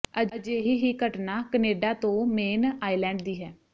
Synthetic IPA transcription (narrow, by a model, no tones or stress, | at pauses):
əd͡ʒeːɦiːɦiːkəʈnaːkəneːɖaːt̪õːmeːnaːiːlɛ̃ːɳɖd̪iːɦɛː